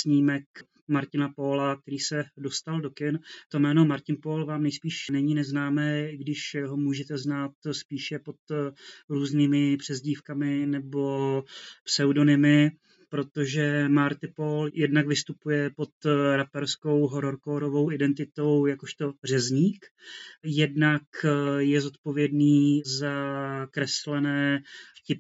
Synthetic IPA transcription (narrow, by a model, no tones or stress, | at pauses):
sɲiːmɛk | maɾcɪnapoːlak̚t̪ɛɾiːsɛdo̞st̪aldokɪnt̪o̞mɛːno̞maɾcɪnpoːlvaːmnɛjspiːʃnɛɲiːnɛznaːmɛːɪɡdɪʃɦomuːʒɛt̪ɛznaːt̪spiːʃɛpo̞t̪ɾuːzniːmɪpr̝̥ɛzɟiːfkamɪnɛbo̞psɛwdo̞nɪmɪ | pɾo̞t̪o̞ʒɛmaɾt̪ɪpoljɛdnaɡvɪst̪upujɛpo̞t̪ɾapɛɾsko̞wɦo̞ɾoɾkoːɾovo̞wʔɪdɛnt̪ɪt̪o̞wjakoʃt̪o̞br̝ɛzɲiːkjɛdnakjɛzo̞t̪po̞vjɛdniːzakɾɛslɛnɛːfcɪp